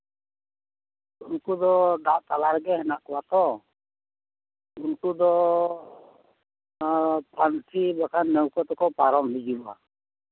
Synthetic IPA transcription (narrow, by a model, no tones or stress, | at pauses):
unkud̪ɔɖaʔt̪alaɾɡɛɦɛnaʔkɔwat̪ɔ | unkud̪ɔ | pɾant̪ʰibakʰanːɛwkɔt̪ɔkɔpaɾɔmɦid͡ʒia̰